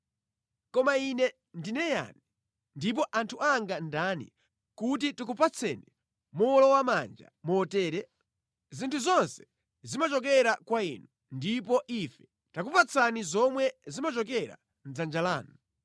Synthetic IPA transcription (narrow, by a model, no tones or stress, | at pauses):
kɔmainɛ | ndinɛja̰ni | ndip̬ɔʔantʰuaŋɡandanḭ | kut̬itikupat͡sʰɛni | mɔlɔwamand͡ʒa̰mɔːtɛːɾɛ | zintʰuzɔnsɛ̥ | zimat͡ʃɔk̬ɛɾakwaḭnu | ndip̬ɔʔifɛ̥ | tak̬upat͡sʰanizɔmwɛzimat͡ʃɔkɛɾa̰ | n̩d͡zand͡ʒalaːnu